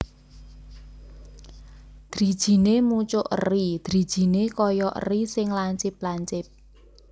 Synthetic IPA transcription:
d̪̥ɾi̤d̥ʒ̥i̤nemut͡ʃʊʔə̰rid̪̥ɾi̤d̥ʒ̥i̤nekɔjɔʔə̰risɪŋlaɲt͡ʃɪp̚laɲt͡ʃɪp̚

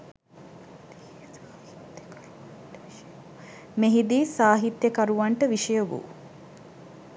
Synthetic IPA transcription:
meɦid̪iːsaːɦit̪jəkaɾuʋaɳʈəʋiʃəjoʋṵ

